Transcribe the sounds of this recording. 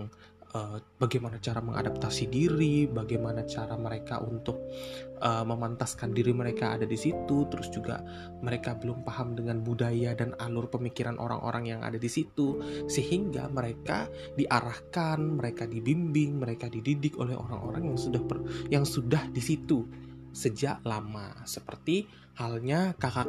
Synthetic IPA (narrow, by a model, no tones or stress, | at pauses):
ŋ | ʔəːb̥aɡajmanat͡ʃaɾaməŋa̰dap̚t̪asidiɾibaɡajmanat͡ʃaɾaməɾeka̰ʔunt̪ʊk̚ʔəːməmant̪askandiɾiməɾeka̰ːdadisit̪ut̪əɾʊsd͡ʒuɡa̰ | məɾekabəlʊmpahamdəŋanbudajadana̰lʊrpəmikiɾanʔo̰ɾa̰ŋʔo̰ɾaŋjaŋa̰dadisit̪usəhiŋɡa̰məɾeka̰ | diʔaɾahkanməɾekadibimbɪŋməɾekadididɪko̰lɛho̰ɾa̰ŋo̰ɾaŋjaŋsudahpəjaŋsudahdisit̪usəd͡ʒaʔlama̰səpərt̪i | halɲakaka